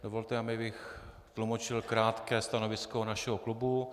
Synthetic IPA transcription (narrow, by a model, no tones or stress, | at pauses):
dovolt̪ɛamɪbɪx | t̪lumot͡ʃɪlkɾaːt̪kɛːst̪ano̞vɪskonaʃɛɦoklubu